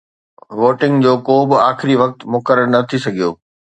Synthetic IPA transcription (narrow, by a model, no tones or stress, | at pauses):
ʋoːʈɪ̃ŋɡd͡ʑoːkoːbɪaːxɪɾiʋɐk̚t̪mʊkəɾəɾnɐt̪ʰisɐɡʱijo̰ː